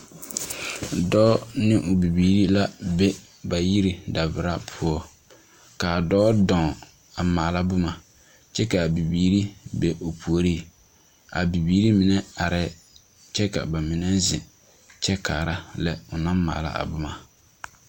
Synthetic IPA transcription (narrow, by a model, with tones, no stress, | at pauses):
dɔː˦nɪ˦ʔʊ˨bi˨biː˨ɾi˦la˦be˦ | ba˨ji˦ɾi˨da˨bɪ˨ɾa˦pʰʊ˦ɔ˨ | ka˨dɔː˦dɔ˨ | a˨maː˨la˦bʊ˦ma˨ | t͡ʃɛ˦ka˨bi˨biː˨ɾi˦be˨ʊ˨pʰu˨o˨ɾi˦˨ | a̰˨bi˨biː˨˦ɾi˦mɪ˨nɛ˦a˨ɾɛ˦ | t͡ʃɛ˦ka̰˨ba˨mɪ˨nɛ˦zɪ˨ | t͡ʃɛ˦kaː˨ɾa˦lɛ˦ʊ˨na˦mma̰ː˨la̰˦˨a̰˨bʊ˦ma˨